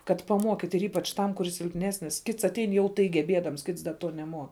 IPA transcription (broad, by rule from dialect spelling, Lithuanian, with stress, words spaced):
kɐt pɐˈmuɔkʲɪtʲ ɪr ˈiːpɐt͡ʃ ˈtɐm kʊˈrʲɪs sʲɪlʲpʲˈnʲæːsʲnʲɪs ˈkʲɪts ɐtʲˈɛɪn jɛʊ ˈtɐɪ ɡʲɛˈbʲiɛdɐms ˈkʲɪts dɐ ˈtuɔ nʲɛˈmuɔ